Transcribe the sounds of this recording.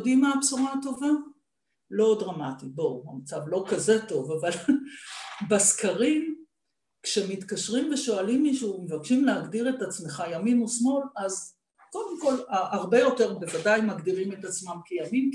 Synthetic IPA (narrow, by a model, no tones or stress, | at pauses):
odimaːpsoʁato̞va | lo̞dʁamatibo̞amat͡savlo̞kaze̞to̞vaval | beskaʁim | kʃe̞mit̪kaʃʁimve̞ʃo̞alimːiʃuːmevakʃimleaɡdiʁetat͡sme̞χajaminusmo̞laz | ko̞d̪emko̞laaʁbe̞jo̞te̞ʁbevadajmaɡd̪iʁimetat͡smamkejamim